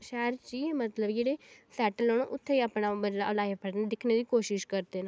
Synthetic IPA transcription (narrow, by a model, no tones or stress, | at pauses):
ʃɛːɾt͡ʃiːmət̪ləbd͡ʒeːɽeːsɛːʈlːoːɽõ̰ːʔʊt̪ʰːeiaːpnaːəlaːepʰəɽnːd̪ɪkʰneːd̪iːkoːʃɪʃkəɾd̪eːna